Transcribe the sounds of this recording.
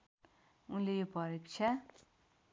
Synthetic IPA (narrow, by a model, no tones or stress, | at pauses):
unlejopʌɾikt͡sʰa